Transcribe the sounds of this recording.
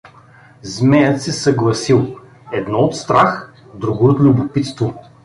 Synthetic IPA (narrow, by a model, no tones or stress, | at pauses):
zmɛjət̪sɛsɐɡlˠɐsilˠ | ɛd̪nɔot̪st̪ɾax | d̪ɾuɡoot̪lʲubʊpit̪st̪vo